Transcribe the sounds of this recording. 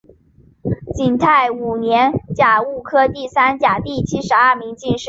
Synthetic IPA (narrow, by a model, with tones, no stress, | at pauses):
t͡ɕi˨˩nt̪ʰa˥˩ɪu˨˩njɛ˧˥nt͡ɕja˨˩u˥˩kʰɤ˥t̪i˥˩sa˥nt͡ɕja˨˩t̪i˥˩t͡ɕʰi˥ʂɻ̩˧˥ɐ˞˥˩mi˧˥ŋt͡ɕi˥˧nʂɻ̩˥˩